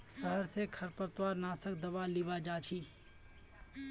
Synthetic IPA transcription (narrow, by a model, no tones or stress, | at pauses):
səɦəɾsekʰɐɾpəɾt̪waːɾnaːsəkd̪ɐʋaːliʋaːd͡ʒaːt͡ʃʰiː